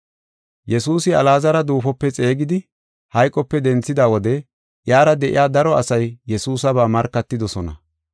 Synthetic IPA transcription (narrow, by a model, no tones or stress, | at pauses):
jɛsuːsɪɐ̰laːzɐɾɐd̪uːfɔpːɛt͡sʼe̞ːɡɪd̪ɪ | hɐjkʼːɔpːɛd̪ɛnt͡sːɪd̪aːwɔd̪ɛ | ʔjaːɾɐd̪ɛʔɪ̰jaːd̪ɐɾɔʔɐ̰sɐjjːɛsuːsɐbaːmɐɾkːɐt̪ːɪd̪ɔsɔnɐ̰